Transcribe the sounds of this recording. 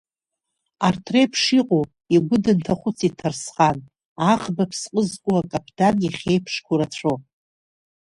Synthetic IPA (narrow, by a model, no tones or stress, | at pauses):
artʰrejpʰʂiqʼo | iɡʷʊdɨntʰaχʷʊt͡sʰitʰarsχan | aχbapʰsqʼəzkʷʼuakʼapʰdanʲiχʲejpʰʂkʷʰuɾat͡ɕʷʰo